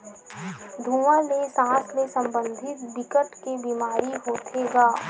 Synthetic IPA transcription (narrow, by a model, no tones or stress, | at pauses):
d̪ʱuːʋãlesãːsmesɐ̃mbə̃nd̪ʱɪt̪d̪ɪkəʈ̪kebiːmaːɾiɦoːt̪ʰeɡaː